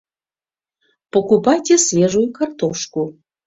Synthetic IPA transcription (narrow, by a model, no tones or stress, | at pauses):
pokupajtʲesvʲeʒujukart̪oʃku